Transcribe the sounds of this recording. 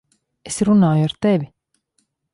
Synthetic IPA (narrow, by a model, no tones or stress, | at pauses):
esɾunaːjuaɾt̪eɛvi